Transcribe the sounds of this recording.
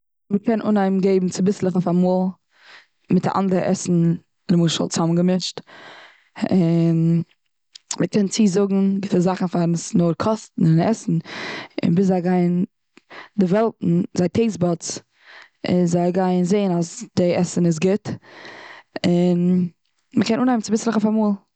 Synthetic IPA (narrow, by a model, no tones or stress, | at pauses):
məkʰɛnʔʊ̰naɪmɡeɪbm̩t͡sɪbɪslˠɪχoʊfamuːlˠ | mɪta̰ʔa̰ndəɾəʔɛ̰sn̩ | ləmuːʃə̰lˠt͡samnɡəmɪʃt | ɪn | məkʰɛnt͡siːzʊɡŋ̩ɡɪtəzaχn̩faɾnsnoɾkʰɔstn̩ɪnɛ̰sn̩ɪ̰nbɪszaɪɡaɪn | dɪvɛlˠtn̩zaɪtʰeɪsbɔt͡s | ɪzaɪɡaɪnzeɪənasd̥ɪɛsən̩ɪs̬ɡɪt | ɪn | məkɛnuːnaɪmnt͡sɪbɪslˠɪχʊfamuːlˠ